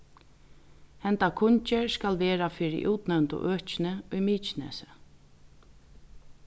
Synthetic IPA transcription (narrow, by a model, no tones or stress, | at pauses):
hɛnt̪akʰʊɲt͡ʃɪɹskalʋɛːɹafɪɹɪ̰ʔuːt̪nɛwnt̪ʊ̰ʔøːht͡ʃɪnɪʊjmiːt͡ʃɪnɛ̰ːsɪ̥